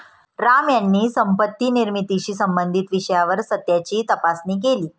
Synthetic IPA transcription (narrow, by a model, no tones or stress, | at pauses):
ɾamjanːiːsəmpət̪ːiːniɾmit̪iɕiːsəmbənd̪ʱit̪ʋiɕəjaʋəɾsət̪ːjat͡ɕiːt̪əpasniːk̬eliː